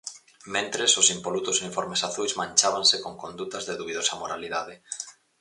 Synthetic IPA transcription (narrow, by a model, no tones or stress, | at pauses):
mẽnt̪ɾesosimpolut̪osunifoɾmesaθujzmãnʲt͡ʃaβaŋsekoŋkond̪ut̪azðeðuβiðosɐmoɾaliðað̞ɪ